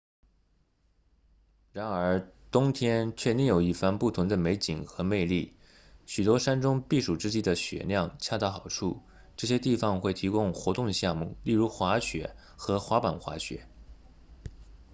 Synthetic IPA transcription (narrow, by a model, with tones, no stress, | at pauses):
ɻa˧˥nə˞˧˥t̪ʊ˥ŋt̪ʰjɛ˥nt͡ɕʰɥɛ˥˧t̪i˥˩ŋjo˨˩ʊi˥˩fa˥˧npu˥˩t̪ʰʊ˧˥ŋd̪ə˧me˧˥ɪt͡ɕi˨˩ŋxɤ˧˥me˥˧ɪli˥˩ | ɕy˨˩t̪wɔ˥ʂa˥nʈ͡ʂʊ˥ŋpi˥˩ʂu˨˩ʈ͡ʂɻ̩˥˧t͡ɕi˥˩d̪ə˩ɕɥɛ̰˨˩ljɑ˥˩ŋt͡ɕʰja˥˧t̪ɑ˥˩xɑ˨˩ʊʈ͡ʂʰu˥˩ | ʈ͡ʂɤ˥˩ɕ̬jɛ˥t̪i˥˩fɑ˨˩ŋxwe˥˩ɪt̪ʰi˧˥kʊ˥ŋxwɔ˧˥t̪ʊ˥˧ŋɕjɑ˥˧mṵ˥˩li˥˩ɻu˧˥xwa˧˥ɕɥɛ˧˥ | xɤ˧˥xwa˧˥pa˨˩nxwa̰˧˥ɕɥɛ̰˧˥